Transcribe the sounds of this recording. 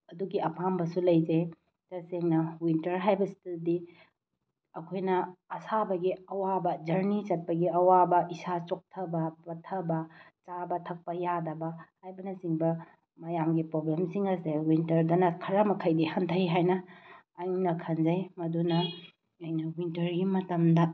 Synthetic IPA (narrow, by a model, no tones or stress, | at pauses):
ɐduɡiɐpambɐsulɐjd͡ʒej | tɐseŋnɐwintɐɾɦajbɐsi̥tɐldi | ɐkʰojnɐɐsabɐɡiɐwabɐd͡ʒɐɾnit͡ʃɐt̚pɐɡiɐwabɐʔisat͡ʃok̚tʰɐbɐpɐtʰɐbɐt͡ʃabɐtʰɐk̚pɐjadɐbɐhajbɐnɐsiŋbɐ | mɐjamɡipɾoblemsiŋɐsewintɐɾdɐnɐkʰɐɾɐmɐkʰɐjdihɐntʰɐjɦajnɐː | jnɐkʰɐnd͡ʒɐjmɐdunɐ | ɐjnɐwintɐɾɡimɐtɐmdɐ